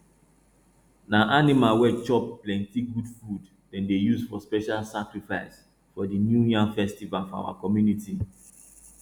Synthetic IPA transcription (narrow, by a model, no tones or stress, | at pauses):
naʔanimalwɛt͡ʃɔpplɛ̃ntiɡudfud | dɛ̃ndejusfɔspɛʃalsakɹifaɪs | fɔdinjuãnfɛstivalfɔa̰wa̰kɔmjuniti